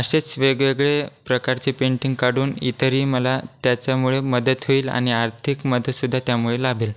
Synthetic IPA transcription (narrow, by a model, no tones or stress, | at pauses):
əɕet͡sʋeɡʋeɡɭepɾəkaɾt͡sepeɳʈiŋɡkaɽuːnḭt̪əɾiːməlat̪jat͡ɕjamuɭeməd̪ət̪ɦoiːla̰ɽ̃iaɾt̪ʰikməd̪ət̪sud̪ʱːat̪jamuɭelabʱiːl